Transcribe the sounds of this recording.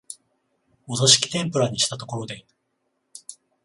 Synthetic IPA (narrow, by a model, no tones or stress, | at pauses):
o̞zoɕi̥kʲi̥t̪ẽ̞mpɯ̟ɾaɲ̟iɕi̥t̪at̪o̞ko̞ɾo̞d̪e̞it̪ɯ̥